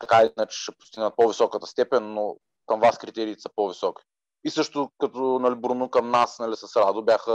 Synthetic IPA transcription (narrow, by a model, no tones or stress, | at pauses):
t̪ɐkainət͡ʃʃɛpʊ̥st̪iɡnət̪̚pɔvisɔkət̪ə̥st̪ɛpɛnːo | kɐmvaskɾit̪ɛɾiːt̪ɛsɐpɔvisɔkʲi̥ | isɤʃt̪ʊkɐt̪ɔnɐlibɾunukɐmnasnɐlisɐsɾad̪ʊbʲjaxə